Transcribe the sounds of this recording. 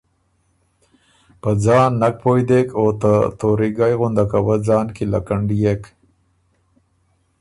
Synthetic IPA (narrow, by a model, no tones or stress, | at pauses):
pəd͡zɑːnːak̚pojd̪ekot̪at̪oɾiɡajɣʊnd̪akawəd͡zɑːnkila̰kaɳɖijek